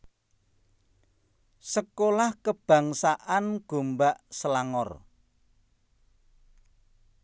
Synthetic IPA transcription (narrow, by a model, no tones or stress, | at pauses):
səkolahkəb̥ä̤ŋsaʔanɡ̥o̤mbaʔsəlaŋɔr